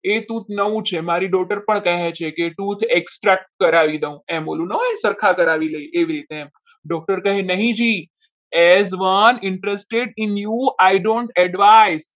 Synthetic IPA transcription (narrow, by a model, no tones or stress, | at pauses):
et̪ut̪ʰnəʋũt͡ʃʰemaɾiɖɔkʈəɾpəɳkɛɦet͡ʃʰekeʈut̪ʰeksʈɾɛk̚ʈ̚kəɾaʋid̪eũɛ̃mbolũnəɦoẽsəɾkʰakəɾaʋiləiʔeʋiɾit̪eɛm | ɖɔk̚ʈəɾkəɦẽnəɦĩd͡ʒi | ɛzʋənɪɳʈɾesʈeɖɪnjuajɖõɳʈɛɖʋajz